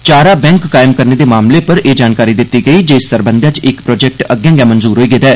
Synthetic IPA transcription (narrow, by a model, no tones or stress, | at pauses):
t͡ʃaːɾaːbɛ̃ːŋkːaːɪmkəɾneːd̪eːmaːmleːpəɾeːd͡ʒaːnkaːɾiːd̪ɪt̪ːiːɡəiːd͡ʒeːsːəɾbə̃nd̪jãːt͡ʃɪkpɾɔːd͡ʒɛːk̚ʈəɡjãːɡɛãːmənzuːɾɦoːiːɡeːd̪ɛː